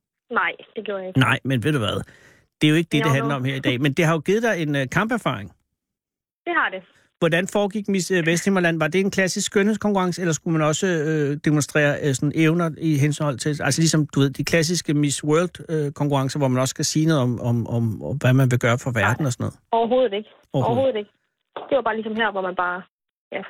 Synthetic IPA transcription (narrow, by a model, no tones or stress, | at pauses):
nɑɪ̰d̥e̝ɡ̥joɐ̰jeɡ̥nɑ̈ɪ̰menʋeðˠd̥uʋæðˠ | d̥e̝jo̝e̝ɡ̥əd̥e̝deɦænlɐɒ̽mheɐ̰idɛɛ̰ːmend̥e̝ɦɑjo̝ɡ̥ið̩ˠd̥ɑ̈ɪe̝nkʰɑ̈mb̥æɐfɑ̰̈ʁeŋ | d̥e̝hɑ̈d̥e | ʋɒdænfɒːɡ̥iɡ̥misʋesd̥he̝mɐlæn̰ʋɑ̈d̥e̝ːnkʰlæsisɡ̥ønhḛskɒ̽ŋkuʁɑ̈ŋsəelɐsɡ̥umænɒ̽səød̥emonsd̥ʁɛ̰ːɐʔsɒ̽neʊnɐiɦensɒ̽l̰t͡sʰe̝lælsəlisɒ̽md̥uʋe̝ð̞̰ˠd̥ikʰlæs̬isɡ̥əmiswɜɐld̥økʰɒŋkuʁɑ̈ŋsɐʋɒmænɒ̽sə̥kʰæsiːnɔ̽ːð̩ˠɒ̽mɒ̽mɒ̽mʋæmænʋe̝ɡ̥ɶːɐfɒʋæɐd̥n̩ɒsnɔ̽ːð̩ˠɒʊɐɦo̝ːð̩ˠe̝ɡ̥ə | ɒʊɐho̝ːð̩ˠeɡ̥ə | d̥e̝ʋɑ̈b̥ɑ̈ːlisɒ̽mɦæɐ̰ʋɒmænb̥ɑ̈ː | jæ